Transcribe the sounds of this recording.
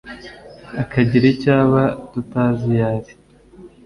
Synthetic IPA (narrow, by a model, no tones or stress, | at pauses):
akaɟiɾecaːβatutaːzijaɾi